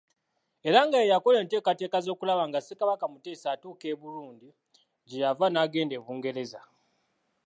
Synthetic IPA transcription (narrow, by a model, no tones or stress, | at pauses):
e̞ɾaŋɡaejako̞le̞ːnte̞ːkate̞ːkazo̞ːkulaβaŋɡasekaβakamute̞ːsaːtuːke̞ːβuɾuːndi | ɟejavanaːɡe̞ːnde̞ːβuːŋɡe̞ɾe̞za